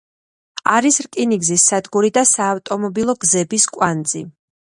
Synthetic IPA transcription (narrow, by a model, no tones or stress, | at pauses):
aɾisɾkʼiniɡzisːad̪ɡuɾid̪asaːft̪ʼɔmɔbilˠɔɡzɛbiskʼwand̪zi